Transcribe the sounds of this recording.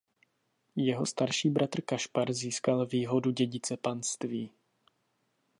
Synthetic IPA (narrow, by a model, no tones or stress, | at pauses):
jɛɦo̞st̪aɾʃiːbɾʔat̪r̩kaʃpaɾziːskalviːɦo̞duɟɛɟɪt͡sɛpanst̪viː